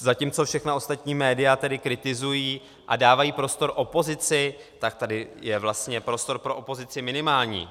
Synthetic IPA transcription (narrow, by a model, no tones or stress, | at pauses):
zaciːmt͡so̞fʃɛxnao̞st̪at̪ɲiːmɛːdɪjat̪ɛdɪkɾɪt̪ɪzujiː | ʔadaːvajiːpɾo̞st̪o̞ɾʔo̞po̞zɪt͡sɪt̪ak̚t̪adɪjɛvlast̪ɲɛpɾo̞st̪o̞ɾpɾo̞ʔopo̞zɪt͡sɪmɪnɪmaːlɲḭː